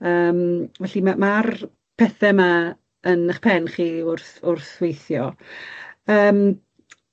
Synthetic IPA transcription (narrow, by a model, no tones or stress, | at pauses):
əːmvɛɬimamar | pʰɛθɛma | ənəχpʰɛnχiːʊrθʊrθwejθjɔ | əːm